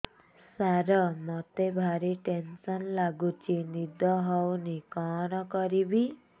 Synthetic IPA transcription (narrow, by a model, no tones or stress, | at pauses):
saɾɔmɔt̪ebʱaɾiʈensɔnlaɡut͡ʃinid̪ʱɔɦɔwnikɔnɔkɔɾibi